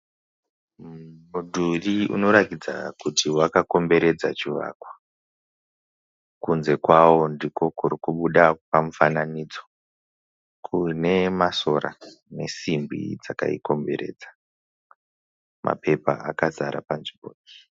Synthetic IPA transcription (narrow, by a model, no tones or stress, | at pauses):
mudʱuriṵno̞ɾakid͡za̰kutiwakako̞mbe̞ɾe̞d͡zat͡ʃiʋa̰kwa | kunze̞kwawo̞ndiko̞kurikuɓuɗapamufananid͡zo̞ | kʰune̞maso̞ɾa̰ | ne̞simbḭd͡zaka̰ḭko̞mbe̞̰ɾe̞̰ːd͡zḁ | mʔa̰pe̞pa̰akazaɾa̰panʐiɓo̰ːɗo